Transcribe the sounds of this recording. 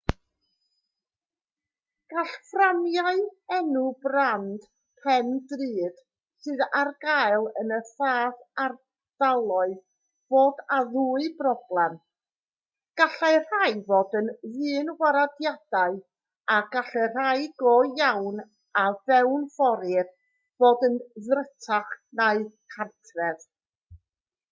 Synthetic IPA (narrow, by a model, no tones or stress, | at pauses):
ɡ̥aɬfranjaɨɛnʊbrand̥ | pʰɛndrɨːd̥ | sɨðarɡaɨlˠənəθaːθar | d̥alˠɔɨð | b̥oːdaðuːɨbrɔb̥lˠɛm | ɡ̥aɬar̥ajvoːdənðɨːnwaɾadjad̥aɨ | aɡ̥aɬɛr̥ajɡoːjawn | avɛwnfɔɾɪr | v̥oːdənðrətʰaχnaɨðkʰartʰrɛð